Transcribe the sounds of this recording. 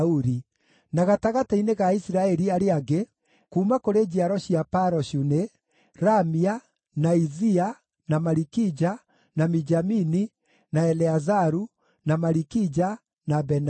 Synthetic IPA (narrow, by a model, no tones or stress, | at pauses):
uɾi | naɣataɣataineɣaisɾaɛɾiaɾeaɡe | kuːmakoɾed͡ʑiaɾɔɕiapaɾɔɕune | ɾamia | naizia | namaɾikid͡ʒa | namid͡ʒamini | naɛlɛazaɾu | namaɾikid͡ʒa | nabɛn